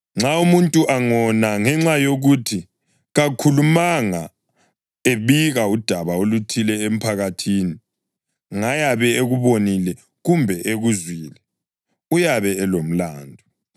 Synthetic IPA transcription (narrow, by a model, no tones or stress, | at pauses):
ŋ͡ǁaumuntʼuʔaŋɔnaŋɛŋ͡ǁajoɣutʰi | ɣakʰulumaŋa | eβiɣaud̥ʱaβaolutʰilɛem̩pʰaɣatʰiːni | ŋajaβɛeɣuβonilɛ | ɣumbʱɛʔeɣuzwiːlɛ | ujaβɛɛlom̩laːndʱɔ